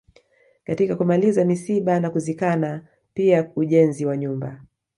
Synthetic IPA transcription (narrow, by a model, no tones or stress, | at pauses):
katikakumalizamisiɓanakuzikana | piauʄɛnziwaɲumba̰